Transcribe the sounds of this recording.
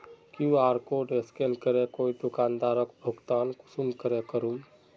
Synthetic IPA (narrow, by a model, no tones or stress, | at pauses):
kjũaːɾkoɖeskelkəɾekoːid̪ʊkaːnd̪aːɾəkbʱʊɡt̪aːnkʊsumkəɾekəɾum